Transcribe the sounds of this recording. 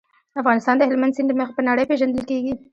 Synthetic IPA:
afɣɑnɪst̪ɑnd̪əɦɪlmand̪sɪnd̪əməxpənaɽəjpeʒand̪əlkeɡi

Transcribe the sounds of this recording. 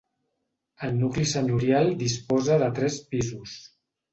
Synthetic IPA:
əlˠnuklisəɲuɾialˠd̪ispɔzəðət̪ɾɛspizus

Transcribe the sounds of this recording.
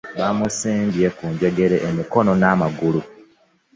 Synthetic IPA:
βamusiːmbjekuːɲɟeɡe̞ɾeʔemiko̞no̞namaɡulu

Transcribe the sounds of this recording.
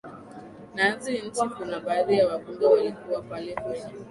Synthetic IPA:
nanzin̩tɔkunaɓaːðijawakuŋɡawalikuwapalɛkwɛɲa

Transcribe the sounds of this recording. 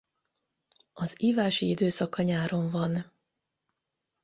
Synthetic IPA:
ɒziːvaːʃiid̪øːsɒkɒɲaːɾo̞ɱvɒn

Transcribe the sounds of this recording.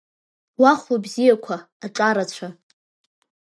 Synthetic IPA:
waχʷubzijakʷʰaːʈ͡ʂʼaɾat͡ɕʷʰa

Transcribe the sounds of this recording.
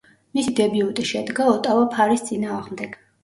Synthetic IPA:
misid̪ɛbiut̪ʼiʃɛd̪ɡaɔt̪ʼavapʰaɾist̪sʼinaːʁmd̪ɛɡ̥

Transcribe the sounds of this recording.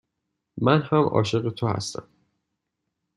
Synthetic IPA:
mænhæmʔɒ̰ːʃe̞ɣet̪ʰohæ̰st̪ʰæ̰m

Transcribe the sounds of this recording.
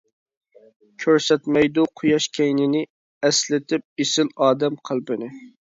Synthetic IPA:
kʲʰøɾsɛt̪mɛjd̪uqʰʊjɑʃkʲʰɛjnɪnɪ | ɛslɪt̪ʰɪp̚esɪlɑːd̪ɛmqʰəlˠpɪnɪ

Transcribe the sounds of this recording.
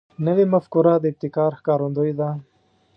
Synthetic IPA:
nəwemɐfkuɾad̪əɪb̚t̪ɪkɑːɾxkɑːɾond̪ojd̪a

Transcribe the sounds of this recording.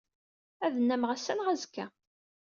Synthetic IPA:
æðənːæmʁæsːænʁæzkːæ

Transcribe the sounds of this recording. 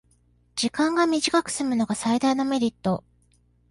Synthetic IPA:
d͡ʑikãŋɡamʲiʑikakɯ̟̥sɨmɯ̟no̞ɡasaid̪aino̞me̞ɾʲit̪ːo̞

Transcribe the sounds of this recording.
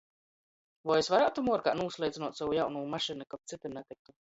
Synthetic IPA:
vɔjesvaɾaːt̪umuɔɾkaːnuːslˠɛjd̪zinuɔt̪savujawnuːmaʃinukap̚t̪sit̪iɾnɛt̪ik̚t̪u

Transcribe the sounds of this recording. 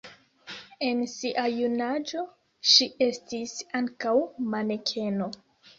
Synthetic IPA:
e̞nsiʔajunad͡ʒo̞ | ʃiʔe̞stisaŋkawmanekʰe̞no̞

